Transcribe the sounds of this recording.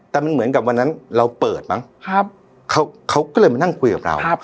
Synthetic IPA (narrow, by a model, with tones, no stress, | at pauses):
t̪ɛː˨˩ma˧nmɯ˩˦ə˦nka˨˩p̚wa˧nːa˦˥nɾa˧wpɤː˨˩t̪̚ma˦˥ŋkʰa˦˥ | kʰa˦˥wkʰa˦˥wkɔː˥˩lɤː˧jma˧na˥˩ŋkʰu˧jka˨˩p̚ɾa̰˧w